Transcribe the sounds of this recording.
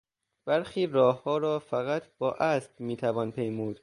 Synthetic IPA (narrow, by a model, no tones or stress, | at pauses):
b̥æɾxiːɾɒːhːɒːɾɒːfæɣæt̪ʰb̥ɒːʔæːsd̪̥miːt̪ʰævɒːnpʰejmuːd̪̥